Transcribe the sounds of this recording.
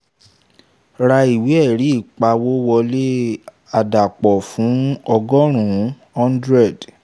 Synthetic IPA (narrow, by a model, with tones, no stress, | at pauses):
ɾa˧i˨wi˨˦ɛ˦˨ɾi˨˦i˦˨k͡pa˧wo˦wɔ˧le˦ | a˨da˨k͡pɔ˨fũ˨˦ɔ˧ɡɔ˦ɾ̃ũ˨˦ | ɔ̃˦n˦dɾɛ˦˨d